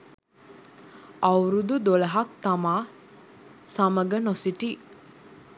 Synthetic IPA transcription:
awɾud̪ud̪olɐɦɐk̚t̪amaː | saməɡənosiʈi

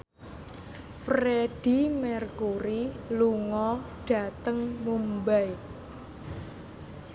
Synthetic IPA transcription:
fɾeɖ̥imɛrkuɾiluŋɔɖ̥a̤t̪əŋmumbaj

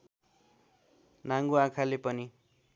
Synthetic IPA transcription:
naŋɡuãkʰalepʌni

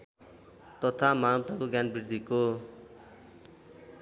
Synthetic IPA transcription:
t̪ʌt̪ʰamat̪akoɡjanbird̪ʱiko

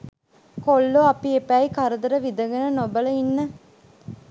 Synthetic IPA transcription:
kolːoɐpiepæikɐɾɐd̪ɐɾɐʋid̪ɐɡɐnənobɐlɐinːɐ

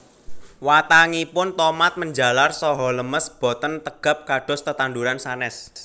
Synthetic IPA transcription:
wat̪aŋipʊnt̪ɔmat̪̚məɲd͡ʒalarsɔɦɔləməsb̥ɔ̤t̪ənt̪əɡ̥a̤p̚kaɖ̥ɔ̤st̪ət̪and̪uɾansanɛs

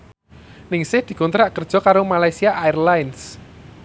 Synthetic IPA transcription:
nɪŋsɪhd̪̥i̤kunt̪ɾaʔkərd̥ʒ̥ɔ̤kaɾomalajsiaʔːirlajns

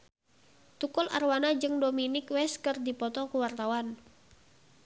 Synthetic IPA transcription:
t̪ukɔla̰rwanad͡ʒɨŋdominɪkwɛskɨrdipɔt̪ɔkuwart̪awan

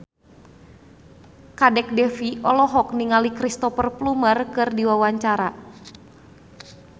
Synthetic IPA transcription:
kadɛk̚dɛfiɔlɔɦɔk̚niŋalikɾist̪ɔfərplumərkɨrdiwawaɲt͡ʃaɾa

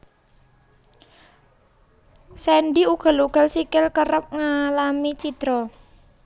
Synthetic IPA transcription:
sɛnɖiuɡ̥a̤luɡ̥a̤lsikɪlkəɾəp̚ŋalamit͡ʃid̪̥ɾɔ

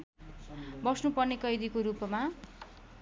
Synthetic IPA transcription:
bʌsnupʌrnekʌjd̪ikoɾupma

